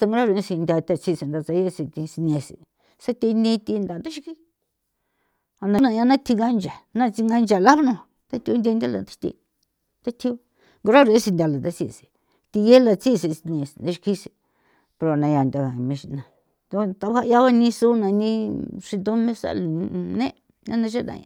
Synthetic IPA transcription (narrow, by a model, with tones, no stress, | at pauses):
t̪a˧ŋɡɾa˦ɾu˧ẽ˦si˧ndʲa˧t̪a˧t͡si˧˨se˨nd̪a˧t͡sa˧je˦si˧t̪i˧si˧nẽ˧sḭ˨ | sa˦t̪i˧nĩ˧t̪i˧nd̪a˨nd̪a˦ʃi˧ki˦ | a˨na˧nã˧ja˧nã˦t̪ʰi˧ŋɡa˦nd͡ʒa˨nã˦˧t͡si˧ŋɡa˦nd͡ʒa˨la˦βnũ˧˨ | t̪a˦t̪ʲi˧u˦nd̪ʲe˧ndʲa˦la̰˨nt̪ḁ˦t̪ḭ˧ | t̪a˦t̪ʰi˧˦o˧˦ | ŋɡo˧ɾa˦ɾe˦si˧ndʲa˧la˨t̪a˧t͡si˧˨si̥˨ | t̪i˧je˦la˧t͡si˦˨si˧si˧n˧ẽ˧si˨nd̪a˦ʃi˧ki˦se˨ | pe˧ɾo˨a˨nã˧ja˨nd̪ʲa˧ɣa˨˧mĩ˧ʂi˧nã˧ | t̪o˧t̪a˧βa˦ja˦βa˦nĩ˧su˦nã˨˧nĩ˦ʂi˧nd̪o˦mẽ˦sa̰˧lnḛ̃˦ | nã˦nã˧ʃ̬a˦nã̰˧jã̰˧